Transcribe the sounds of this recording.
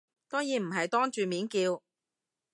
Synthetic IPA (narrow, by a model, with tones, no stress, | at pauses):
t̪ɔ˥jiː˨˧m̩˨˩ɦɐ˨jt̪ɔː˥ŋt͡ʃyː˨miː˨˥nkiː˧w